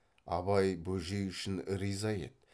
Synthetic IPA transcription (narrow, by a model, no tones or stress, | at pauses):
ɑ̰bɑjbɵʒejʏʃɪnɪɾizɑjḛt̪̚